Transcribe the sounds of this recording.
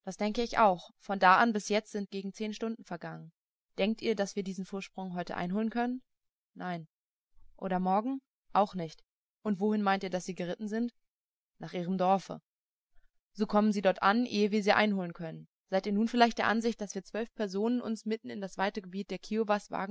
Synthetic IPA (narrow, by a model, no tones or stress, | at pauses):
d̥asd̥ɛŋkəɪça̰ʊxfɔndaːʔanbɪsjɛt͡stz̥ɪnt̚ɡ̥eːɡŋ̩t͡seːnʃtʊndn̩fɛɐɡaŋən | d̥ɛŋk̚tʔiːɐdasv̥iːɐdiːzn̩foːɐʃpʁ̥ʊŋɦɔʏtə̰ʔa̰ɪnɦoːlənkʰœnənː | aɪn | ʔo̰ːɾɐmɔɐɡŋ̩ | ʔaʊxnɪçt | ʔʊntv̥ohɪnmaɪntiːɐdasz̥iːɡəʁɪtn̩zɪnt | naːχʔiːʁ̞əmdɔɐfə̰ | z̥oːkʰɔmənziːdɔɐtʔanʔeːəviːɐziːʔa̰ɪnhoːlənkʰœnən | z̥aɪtiːɐnuːnfɪlaɪçtd̥eːɐʔanzɪçt̚d̥asv̥iːɐt͡sv̥œlfpʰɛɐzoːnənʔʊ̰nsmɪtn̩ɪndasv̥aɪtəɡəbiːt̚d̥eːɐkʰiovasv̥a̰ːɡŋ̩